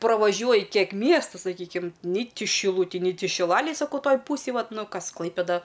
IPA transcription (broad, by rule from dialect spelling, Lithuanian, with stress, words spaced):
prɐʋɐˈʒʲuɔjɪ ˈkʲiɛk ˈmʲiɛstʊ sɐˈkʲiːkʲɪm nʲɪ ˈtʲɪ ʃʲɪˈlˠʊtʲɪj nʲɪ ˈtʲɪ ʃʲɪˈlˠɑːlʲeːj sɐˈkɐʊ ˈtoːj ˈpuːsʲeːj ˈʋɐt ˈnʊ ˈkɐs ˈklˠɐɪpʲeːdɐ